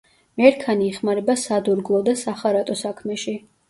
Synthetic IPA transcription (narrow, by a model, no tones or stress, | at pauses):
mɛɾkʰaniːχmaɾɛbasad̪uɾɡlˠɔd̪asaχaɾat̪ʼɔsakʰmɛʃi